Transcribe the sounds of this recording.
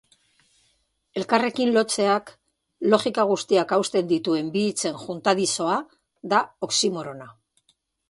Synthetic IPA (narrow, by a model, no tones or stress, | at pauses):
e̞lkare̞kinlo̞t͡se̞ak | lo̞ʝikaɣ̞ust̪iakawst̪e̞nd̪it̪ue̞mbiːt͡se̞nʝunt̪aðiso̞a | ðao̞ksimo̞ɾo̞na